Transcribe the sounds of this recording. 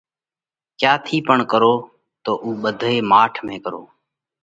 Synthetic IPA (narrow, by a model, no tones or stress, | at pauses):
kjaːt̪ʰiːpəɳkəɾoː | t̪oːʔuːɓəd̪ʱoːeːmaːʈʰmẽːkəɾo̰ː